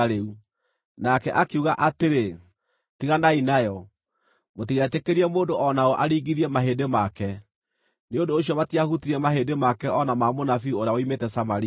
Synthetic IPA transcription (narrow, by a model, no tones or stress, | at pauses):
ɾeu | nakɛʔakeuɣaʔateɾe | tiɣanainajɔ | mot̬iɣɛtekeɾiɛmoːndoʔɔnaoʔaɾiːɣɡiɾiɛmaɦeːdemakɛ | neondoːɕijɔmatiahutiɾɛmaɦedemakɛɔnamaːmonafiuoɾeaoimeːtɛsamaɾi